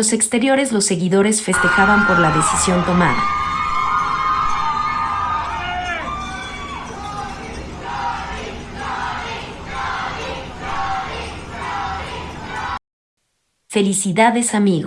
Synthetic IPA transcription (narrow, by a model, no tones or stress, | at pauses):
ose̞kst̪e̞ɾjo̞ɾe̞zlo̞sːe̞ɣiðo̞ɾe̞sfe̞st̪e̞xaβampo̞ɾlaðe̞sisjo̞nt̪o̞maða | fe̞lisiðaðe̞samiɣ